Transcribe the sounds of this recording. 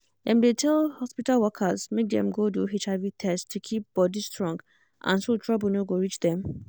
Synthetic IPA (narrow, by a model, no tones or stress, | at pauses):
dɛ̃mdetʰɛlhɔspitalwɔkʰazmek̚d̪ɛ̰̃mɡodoɦet͡ʃavitʰɛstʰukʰip̚b̥ɔdistʰɹɔ̃ŋɡ | ʔã̰nsotʰɹablnoɡoɹit͡ʃd̪ɛ̃m